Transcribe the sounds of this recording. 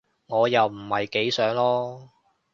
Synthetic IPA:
ŋɔː˨˧jɐ˨wm̩˨˩hɐ˨jke˨˥jsœː˨˥ŋlɔː˥

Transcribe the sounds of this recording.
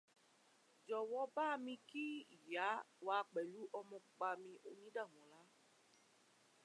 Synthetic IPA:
d͡ʒɔ˨wɔ˨˦ba˦˧mĩ˧ki˦i˨ja˨˦wa˧˦˧k͡pɛ˨lu˨˦ʔɔ˧mɔ̃˧k͡pk͡pa˧mĩ˧ʔo˧nĩ˦da˦˨w̃ɔ̃˨˦la˨˦

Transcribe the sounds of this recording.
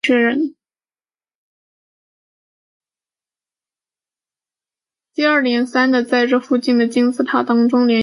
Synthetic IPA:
ɥɛ˥ɻə˧˥n | t̪i˥˧ə˞˥˩ljɛ˧˥nsa˥nd̪ə˨t͡sa˥˧ɪʈ͡ʂɤ˥˧fu˥˧t͡ɕi˥˩nd̪ə˩t͡ɕi˥nt͡sɹ̩˥˩t̪ʰa˨˩t̪ɑ˥ŋʈ͡ʂʊ˥ŋljɛ˧˥

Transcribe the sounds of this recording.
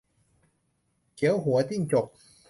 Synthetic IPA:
ki˨˦wɦu˨˩˦t̪iː˥˩ŋt͡ɕo˨˩k̚

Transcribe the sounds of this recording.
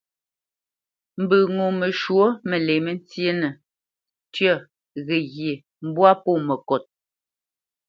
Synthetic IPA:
m̩˨bə˨ŋo˨mə˨ʃwo˦mə˨le˨mə˦n˦t͡sje˦nə˨ | tɥə˦˨ | ɣɛ˨ɣje˨ | m̩˦bwa˦po˦˨mə˨kɔ˨t̚

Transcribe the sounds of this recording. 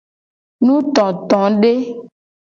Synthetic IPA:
nũ˦t̪ɔ̃˨t̪ɔ̃˨˦ɖe˦

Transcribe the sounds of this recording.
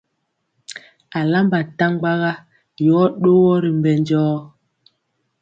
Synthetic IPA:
a˨la˦mba˨ta˦ŋ˦ɡ͡ba˦ɣa˦ | jɔː˨˦ɗo˦wɔ˦ɾi˨mbɛ˨nd͡ʒɔː˦

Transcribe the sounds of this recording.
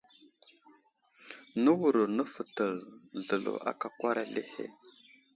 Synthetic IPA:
nə˦wu˨ɾə˨ɾnə˦fə˨tə˨lɮə˨lo̰˨ʔa̰˦ka˨kwa˦ɾʔa˦le˦hḛ˦

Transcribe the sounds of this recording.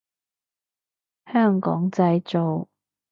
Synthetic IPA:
hœː˥˩ŋkɔ̰ː˨˥ŋt͡sɐ˧jt͡so˨w

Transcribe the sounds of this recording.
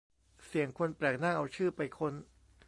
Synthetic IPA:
si˨˩˦əŋkʰo˧npɾɛː˨˩k̚naː˥˩ŋʔa˧wt͡ɕʰɯː˥˩pa˧jkʰo˧n

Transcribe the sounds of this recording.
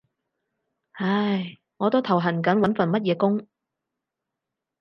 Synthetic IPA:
hɐ˧˥j | ŋɔː˨˧t̪o˥wt̪ʰɐ˨˩wɦɐ˨˩nkɐ˨˥nwɐ˨˥nfɐ˨nmɐ˥t̚jɛː˨˧kʊ˥ŋ

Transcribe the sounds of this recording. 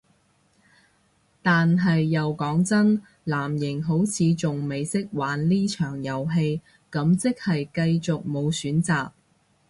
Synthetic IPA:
t̪aː˨nɦɐ˨jːɐ˨wkɔː˨˥ŋt͡sɐ˥n | laː˨˩mjɪ˨˩ŋɦo˨˥wt͡sʰiː˨˧t͡sʊ˨ŋme˨jsɪ˥k̚waː˨˥nliː˥t͡ʃʰœː˨˩ŋjɐ˨wɦe˧j | kɐ˨˥mt͡sɪ˥k̚hɐ˨jkɐ˧jt͡sʊ˨k̚mo˨˧wsyː˨˥nt͡saː˨k̚

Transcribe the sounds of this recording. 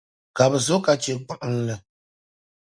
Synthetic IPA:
ka˨bɨ˨zʊ˦ka˨t͡ʃe˨k͡pɨ˦˨ʔn̩˦lɨ˨

